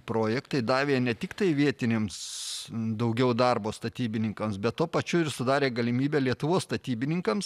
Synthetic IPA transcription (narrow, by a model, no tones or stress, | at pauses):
pɾoːjɛkt̪ɐɪd̪ɑːʋʲeːnʲɛt̪ʲɪkt̪ɐɪʋʲiɛt̪ʲɪnʲeːms | d̪ɐʊɡʲɛʊd̪ɐrboːst̪ɐt̪ʲiːbʲɪnʲɪŋkɐmsbʲɛt̪tuːpɐt͡ʃʲʊɪɾsʊd̪ɑːɾʲeːɡɐlʲɪmʲiːbʲɛːlʲiɛt̪ʊʋoːsst̪ɐt̪ʲiːbʲɪnʲɪŋkɐms